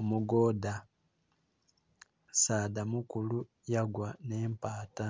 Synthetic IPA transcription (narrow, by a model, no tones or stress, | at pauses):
omuɡoːda | saːdamukulu | jaɡwane̞ːmpaːta